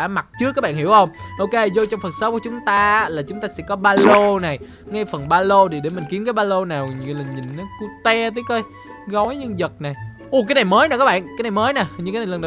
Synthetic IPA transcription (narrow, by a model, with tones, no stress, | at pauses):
ma˨˩t̚t͡ɕɨ˨˦˥kaː˦˥ɓ̰ːnhi˧˩əwhə˧wŋ͡mʔo˧wke˧zo˧t͡ɕɔ˧wŋ͡mfə˨˩nsə˨˦˥pk̚u˧˩˦t͡ɕʊ˨˦ŋ͡mt̪aː˧˦˥laː˨˩t͡ɕʊ˨˦ŋ͡mt̪aː˧sɛ̰˧˥kɔ˨˦ɓaː˧lo˧na˨˩j | ŋa˧jfə˨˩nɓaː˧lo˧ɗi˨˩ɗe˧˩mï̟˨˩ki˨˦əmkaː˨˦jɓaː˧lo˧naː˨˩wɲ˨˩lə̈˨˩ŋɲï˨˩ŋ̟ʔa˨˦ku˧˦t̪ɛ˧t̪iː˨˦kə˨˦j | ɣɔ˨˦jɲɨ˧ŋzə˨˩t̚na˨˩j | ʔu˧˩kaː˨˦jna˨˩jməː˨˦jna˨˩kaː˦˥ɓa̰ː˧˨nkaː˨˦jna˨˩jməː˨˦jna˨˩hɲɨ˧kaː˨˦n˨˩˨lə˧n˨˧˨